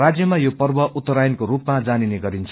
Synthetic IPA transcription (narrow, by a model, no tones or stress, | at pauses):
rad͡zjʌmajopʌrbʌʔut̪ːʌɾajnkoɾupmad͡zanineɡʌɾint͡sʰ